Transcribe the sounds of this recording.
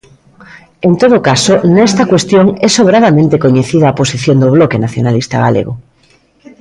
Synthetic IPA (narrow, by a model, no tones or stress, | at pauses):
ẽnt̪oðokasonɛst̪akwest̪joŋɛsoβɾaðamẽnt̪ekoɲeθiðaːposiθjõnd̪oβlokenaθjonalist̪aɣa̰lḛɣo